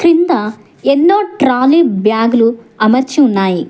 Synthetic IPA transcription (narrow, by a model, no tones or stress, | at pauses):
kɾind̪ɐ | enːoːʈɾaːliːbʱjaːɡulu | ɐmɐɾt͡ʃiunːaːji